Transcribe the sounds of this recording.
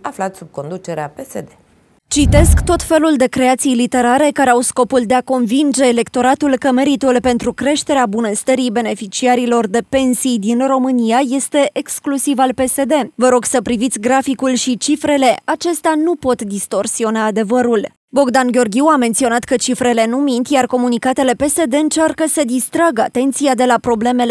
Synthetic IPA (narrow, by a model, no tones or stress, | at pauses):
aflat̪sub̚ko̞nd̪ut͡ʃeɾeapesed̪e | t͡ʃit̪e̞skt̪o̞t̪fe̞luld̪e̞kɾe̞at̪sijlit̪e̞ɾaɾe̞kaɾeawsko̞puld̪e̞ako̞nvind͡ʒe̞ːle̞kt̪o̞ɾat̪ulkəme̞ɾit̪ulpe̞nt̪ɾukɾe̞ʃt̪e̞ɾeabunəst̪əɾijbe̞ne̞fit͡ʃiaɾilo̞rd̪e̞pe̞nsijd̪inro̞mɨniaje̞st̪e̞ʔeksklusivalpe̞se̞d̪e̞vəɾo̞ɡsəpɾivit̪sʲɡɾafikulʃit͡ʃifɾe̞le̞at͡ʃe̞st̪eanupo̞t̪d̪ist̪o̞rsio̞naːd̪e̞vəɾul | bo̞ɡd̪anɡʲo̞rɡʲiwame̞nt̪sio̞nat̪kət͡ʃifɾe̞le̞numint̪ʲjarko̞munikat̪e̞le̞pe̞se̞d̪e̞ɨnt͡ʃarkəsəd̪ist̪ɾaɡa̰t̪e̞nt̪siad̪e̞lapɾo̞ble̞me̞l